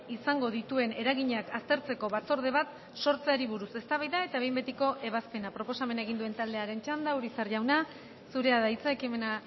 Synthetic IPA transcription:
isaŋɡo̞ðit̪ue̞ne̞ɾaɣiɲakast̪e̞ɾt͡se̞ko̞βat͡so̞ɾð̞e̞β̞at̪ | so̞ɾt͡seaɾiβ̞uɾuse̞st̪aβajðae̞t̪ae̞jmbe̞t̪iko̞ʔe̞β̞aspe̞napɾo̞po̞same̞naeɣind̪ue̞nt̪ald̪e̞aɾe̞nt͡ʃand̪auɾisaɾʝawna | suɾe̞aðait͡saekime̞na

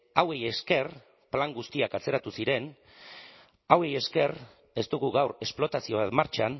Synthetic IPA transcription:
awe̞je̞ske̞r | plaŋɡust̪iakat͡se̞ɾat̪usiɾe̞n | awe̞je̞ske̞r | e̞st̪uɣuɣawɾe̞splo̞t̪asio̞β̞at̪maɾt͡ʃan

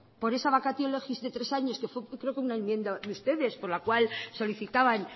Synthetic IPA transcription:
po̞ɾe̞saβakat̪iolexizðe̞t̪ɾe̞saɲo̞ske̞fwekɾe̞o̞keunaenmjẽ̞nd̪aðeust̪e̞ðe̞spo̞ɾlakwalso̞liθit̪aβan

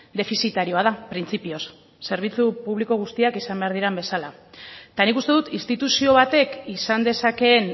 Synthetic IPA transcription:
d̪e̞fisit̪aɾio̞að̞apɾint͡sipio̞sː | e̞ɾβ̞it͡supuβ̞liko̞ɣ̞ust̪iakisambe̞aɾð̞iɾambe̞salat̪anikust̪e̞ðut̪inst̪it̪usio̞β̞at̪e̞kisand̪e̞sake̞n

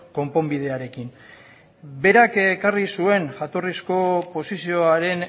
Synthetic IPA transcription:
ko̞mpo̞mbið̞e̞aɾe̞kin | be̞ɾakkarisue̞nʝat̪o̞risko̞po̞sisio̞aɾe̞n

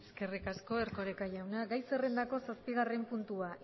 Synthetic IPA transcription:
ske̞rikasko̞e̞ɾko̞ɾekaʝawnaɡajse̞re̞nd̪ako̞saspiɣ̞are̞mpunt̪uaʔ

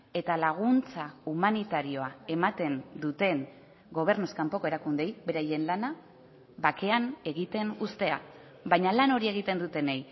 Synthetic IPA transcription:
e̞t̪alaɣ̞unt͡saumanit̪aɾio̞ae̞mat̪e̞nd̪ut̪e̞ŋ | ɡo̞β̞e̞ɾnuskampo̞ko̞eɾakund̪e̞jβe̞ɾaje̞nlana | βake̞ane̞ɣit̪e̞nust̪e̞a | βajɲalano̞ɾie̞ɣit̪e̞nd̪ut̪e̞nej

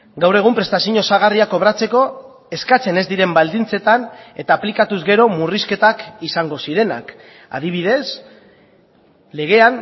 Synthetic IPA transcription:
ɡawre̞ɣ̞umpɾe̞st̪asiɲo̞saɣ̞ariako̞β̞ɾat͡se̞ko̞ | e̞skat͡se̞ne̞zd̪iɾe̞mbald̪int͡se̞t̪ane̞t̪aːplikat̪uzɣe̞ɾo̞muriske̞t̪akisaŋɡo̞siɾe̞na̰k | a̰ðiβ̞iðe̞s | le̞ɣ̞e̞an

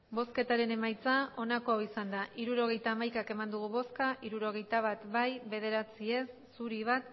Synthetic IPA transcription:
bo̞ske̞t̪aɾe̞ne̞majt͡sao̞nako̞awisand̪aʔiɾuɾo̞ɣ̞e̞jt̪aːmajkake̞mand̪uɣ̞uβo̞skaʔiɾuɾo̞ɣ̞e̞jt̪aβ̞at̪bajβe̞ð̞e̞ɾat͡sie̞sːuɾiβ̞at̪

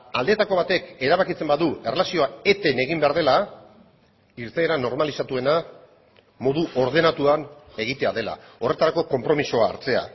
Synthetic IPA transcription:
ald̪e̞t̪ako̞β̞at̪e̞ke̞ɾaβakit͡se̞mbaðue̞re̞lasio̞ae̞t̪e̞ne̞ɣ̞imbe̞aɾð̞ela | iɾt̪e̞ːɾano̞ɾmalisat̪ue̞na | mo̞ð̞uʔo̞ɾð̞e̞nat̪uane̞ɣ̞it̪e̞aðe̞la̰o̞re̞t̪aɾako̞ko̞mpɾo̞miso̞a̰ːɾt͡se̞a̰

